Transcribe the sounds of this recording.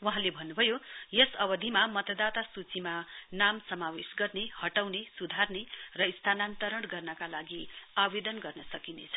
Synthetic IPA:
waɦãlebʱʌnːubʱʌjojʌsʌbʌd̪ʱimamʌt̪ʌd̪at̪asut͡simanamsʌmawesɡʌrnehʌʈawnesud̪ʱarnerʌist̪ʰanant̪ʌɾʌɽɡʌrnʌkalaɡiabed̪ʌnɡʌrnʌsʌkinḛt͡sʰʌ̥

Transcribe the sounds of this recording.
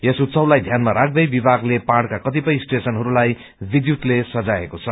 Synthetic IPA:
jesut̪sʌwlajd̪ʱjanmaɾak̚ʰd̪ʌjbibaɡlepaɽkakʌt̪̬ipʌjsʈesʌnɦʌɾulaj | bid̪jut̪lesʌd͡zaḛkot͡sʰʌ

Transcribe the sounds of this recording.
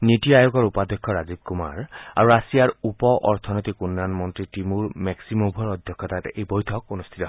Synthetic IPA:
nitiajoɡɔɹupad̪ɔkʰːɔɹazib̚kuma̰ɹa̰ɹuasijaɹupɔʔɔɹt̪ʰɔnɔt̪ikunːanmɔnt̪ɹitimuɹmɛksimobʱɔɹɔd̪ʱjɔkʰːɔt̪atejbɔjtʰɔk̚onust̪ʰit̪ɔɦ

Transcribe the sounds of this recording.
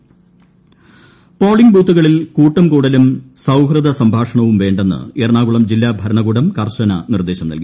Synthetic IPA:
poːɭiŋbʱuːt̪ːuɣɐɭilkuːʈːɐmkuːɽɐlumsɐwɦrɐd̪ʱɐsɐmbʱaːʂɐɳɐʋumʋe̞ːɳɖe̞nːɨ̰eːrɳaːɣuɭɐmd͡ʑilːaːbʱɐɾɐɳɐɣuɽɐmkɐrɕɐnɐ̰nird̪eːɕɐmnɐ̰lki

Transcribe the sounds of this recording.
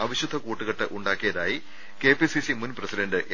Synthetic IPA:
ɐʋiɕud̪ʱːɐkuːʈːuɣɐʈːɨʔuɳɖaːkːijɐðaːji | ke̞ːpisisimunprɐsidɐɳɖɨʔj

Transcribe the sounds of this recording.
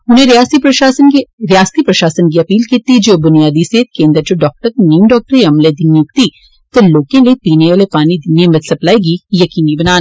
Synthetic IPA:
ʊnɦẽɾaːsiɾɐasnɾijaːst̪ipɾɐʃaːsənk̬iɐpiːlkiːt̪id͡ʒoːbʊnijaːd̪iseːt̪kẽːnd̪əɾd͡ʒoːɖɔːk̚ʈəɾniːmɖɔːk̚ʈəɾiɐmled̪ɪnjukt̪i | t̪oloːkẽlepiːneaːlepaːnid̪ɪnjemɐt̪sɐplaːeɡijɐkiːnibɐnaːl

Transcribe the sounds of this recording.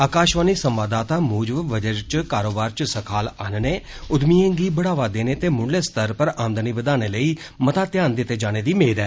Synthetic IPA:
aːkaːʃʋaːniːsəmʋaːd̪aːt̪aːmuːd͡ʒʋʋəd͡ʒəɾt͡ʃkaːɾoːbaːɾt͡ʃsəkʰaːlaːnneːʊd̪miːẽːŋɡiːbəɽaːʋaːd̪eːneːt̪eːmʊɳɖleːst̪əɾpəɾaːmd̪əniːbəd̪aːneːləiː | mət̪aːt̪jaːnd̪ɪt̪ːeːd͡ʒaːñeːd̪iːmeːɾɛː

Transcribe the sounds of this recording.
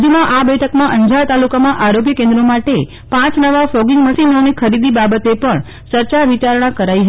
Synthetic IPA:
d̪ʱimãʔabɛʈʰəkmãʔəɲd͡ʒaɭt̪alukamãʔaɾoɡjəkẽnd̪ɾomaʈe | pãt͡ʃnəʋafloɡɪŋɡməsinonikʰəɾid̪ibabət̪epəɳ | t͡ʃəɾt͡ʃaʋit͡ʃaɾɳ̃ãkəɾaiɦə

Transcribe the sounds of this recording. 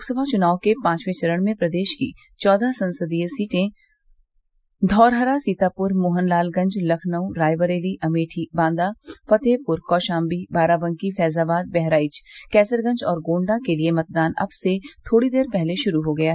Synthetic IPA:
loːksəbʱat͡ʃʊnaːwkepãːt͡ʃʋet͡ʃɐɾəɽ̃mẽpɾɐd̪eːʃkḭ | t͡ʃɔːd̪ʱasɐ̃nsəd̪ijsiːʈẽ | d̪ʱɔːɾɦəɾasiːt̪aːpʊɾmoːɦənlaːlɡɐ̃ɲd͡ʒlɐkʰnəwɾaːjʋəɾeːliʔɐmeːʈʰibãːnd̪afɐt̪eːpʊɾkɔːʃãːmbibaːɾabɐ̃ŋkifɛːzaːbaːd̪̚bɛɦɾaːɪt͡ʃkɛːsəɾɡɐ̃ɲd͡ʒɔːɾɡõːɳɖakeliemɐt̪̚d̪aːnɐ̰bset̪ʰoːɽid̪eːɾpɛɦleʃʊɾuɦoɡɐjaɦ

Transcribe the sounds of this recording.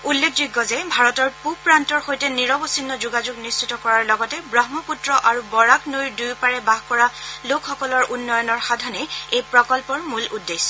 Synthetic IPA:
ulːekʰduɡːɔzɛbʱaɹɔtɔɹpupɹantɔɹxojtɛniɹɔbɔsinːɔzuɡad͡ʒuɡnistitɔkɔɹaɹlɔɡɔtɛbɹɔɦmɔputɹɔʔaɹubɔɹaknojɹdujpaɹɛbaɦkɔɹalokʰxɔkɔlɔɹʔunːɔjɔnɔɹxadʱɔnɛejpɹɔkɔlpɔɹmuludːes

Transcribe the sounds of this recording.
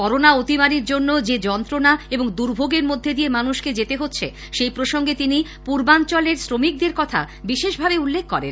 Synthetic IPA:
kɔɾonaot̪imaɾiɾd͡ʑonːod͡ʑed͡ʑɔnt̪ɾonaeboŋd̪uɾbʱoɡeɾmod̪ʱːed̪ijemanuʃked͡ʑet̪eɦotːɕʰḛ | ʃejpɾoʃoŋɡet̪ini | puɾbant͡ɕɔleɾsɾomik̚d̪eɾkɔt̪ʰa̰ | biʃeʃbʱabeulːekʰːɔɾḛn

